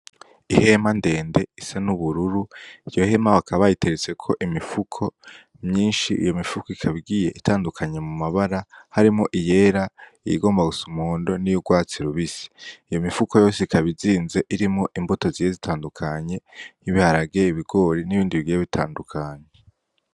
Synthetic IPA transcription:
ihe̞mande̞ːnde̞isanuβuɾuɾuijo̞he̞maβakʰaβajite̞ɾet͡se̞kʰo̞ʔimifukʰo̞ | mɲiːnʃiʔḭjo̞mifukoikʰaβiɡiːje̞ʔitʰaːndukʰaɲe̞mumaβaɾahaɾimoʔije̞ːɾaijḭɡo̞ːmbaɡusumoːndo̞nijuɡwaːt͡siɾuβisi̥ijo̞mifuko̞jo̞ːseikʰaβiziːnze̞ʔiɾimŋoʔimboto̞zije̞zitʰaːndukʰaɲe̞niβihaɾaɡe̞iβiɡo̞ːɾiniβiːndiβiɡiːjeβitʰa̰ːndukʰaɲe

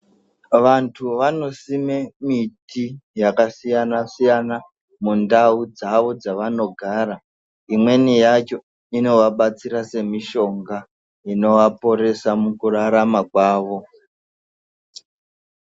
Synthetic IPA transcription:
ʋantʰuʋano̞simemitijakasijanasijana | mundaud͡zaʋo̞d͡zaʋano̞ɡʱaːɾa | imwe̞nijat͡ʃo | ino̞ʋaɓat͡siɾase̞miʃo̞ŋɡa | ino̞ʋapo̞ɾe̞samukuraɾamakwaːʋo̞

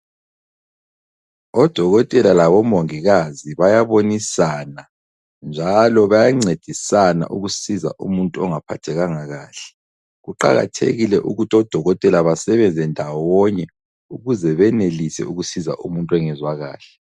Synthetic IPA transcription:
ɔd̥ʱɔɣɔtʼɛlalaβɔmoŋiɣaziβajaβonisaːna | nd͡ʒʱalɔβajaŋ͡ǀed̥ʱisana̰ʔuɣusiza̰ʔumuntʼuɔŋapʰa̰tʰɛɣaŋaɣaːɬɛ̥ | ɣuǃa̰ɣa̰tʰḛɣilɛʔuɣutʰɔd̥ʱɔɣɔtʼɛlaβasɛβɛnd͡zʱɛndʱawɔɲɛ | uɣuzɛβɛnelisɛ̰uɣusiza̰ʔumuntʼwɛŋɛzwaɣa̰ːɬɛ

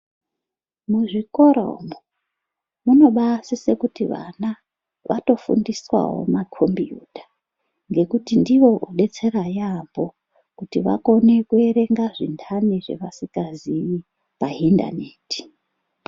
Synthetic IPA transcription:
muʐiko̞ɾo̞̰mo | muno̞ɓasisekutiʋa̰na | ʋʔato̞fṵndiswa̰wo̞̰makʰo̞mbijṵtḁ | ŋɡe̞kutindiwo̞ʔuɗe̞t͡se̞rajambo̞ | kutiʋa̰ko̞ne̞kue̞ɾe̞ŋɡaʐindʰaniʐe̞̰ʋasikɡaziji | painda̰neːti̥

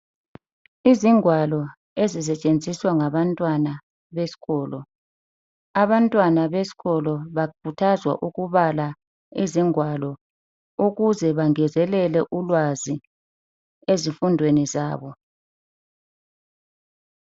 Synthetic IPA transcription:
iziŋwalɔ | ezis̬ɛt͡ʃʼend͡zʱiswaŋaβantʼwana | βesi̥ɣɔːlɔ | aβantʼwanaβesi̥ɣɔlɔβakʰutʰazwa̰ʔuɣuβala | iziŋwalɔ | uɣuzɛβaŋɛzɛlɛlɛʔulwazi | ezifundʱwenizaːβɔ

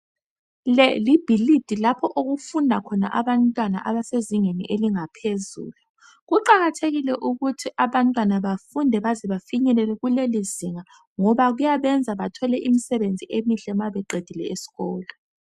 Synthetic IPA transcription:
lɛlib̥ʱilid̥ʱilapʰɔʔoɣufundʱakʰɔna̰ʔaβantʼwana̰ʔaβaseziŋenḭʔeliŋapʰezṵːlu | ɣuǃaɣatʰeɣilɛʔuɣutʰiʔaβantʼwanaβafundʱɛβazɛβafiɲɛlɛlɛɣuleliziŋa | ŋɔβaɣujaβɛnd͡zʱaβatʰɔlɛʔimisɛβend͡zʱiʔemiɬɛmaβɛǃed̥ʱilɛ̰esi̥ɣɔːlɔ

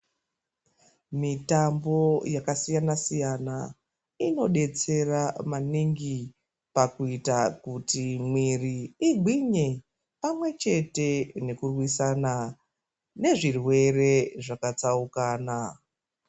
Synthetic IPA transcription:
mitambo̞jakasijanasijana | ino̞ɗe̞t͡se̞ramaniŋɡi | pakuitakutimwiriiɡʱiɲe̞ | pamwe̞t͡ʃe̞te̞ne̞kurwisana | ne̞ʐirwe̞re̞ʐakat͡saukaːna

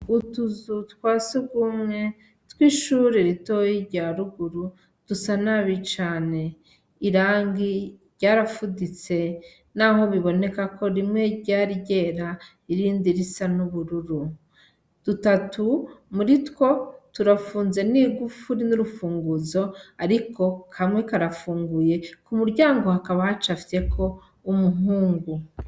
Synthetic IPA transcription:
utuzutkwaːsiɡumŋe̞ | tkwiːʃuːɾeɾito̞jiɟaɾuɡuɾu | d̥usanaβit͡ʃaːne̞ | iɾaːŋɡiɾɟaːɾafudit͡se̞ | naɦo̞βiβo̞ne̞kakʰo̞ɾimŋe̞ɟaːɾiɟe̞ːɾa | iɾiːndiɾisanuβuɾuɾu | d̥utatumuɾitwo̞tuɾafuːnze̞niːɡufuɾinuɾufuːŋɡuzo̞aɾikʰo̞kʰamŋe̞kaɾafuːŋɡuje̞kumuɾɟaːŋɡo̞hakaβahat͡ʃafe̞kʰo̞ | umuɦuːŋɡu

